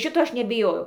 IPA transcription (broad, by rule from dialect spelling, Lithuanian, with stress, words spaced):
ˈʃʲɪtoː ˈɐʃ nʲɛbʲɪˈjoːjɛʊ